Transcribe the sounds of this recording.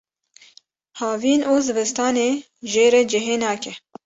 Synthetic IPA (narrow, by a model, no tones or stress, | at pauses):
hɑːviːnʔoːzɨbɨst̪ɑːneː | ʒeːɾɛd͡ʒɪɦeːnɑːkɛ